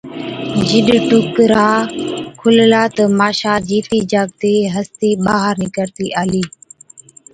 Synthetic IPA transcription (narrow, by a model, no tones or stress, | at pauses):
d͡ʒɪɗʈʊkɾaːkʰʊllaːt̪əːmaːʃaːd͡ʒiːt̪iːd͡ʒaːɡt̪eːɦəst̪iːɓaːɦəɾnɪkəɾt̪iːʔaːliː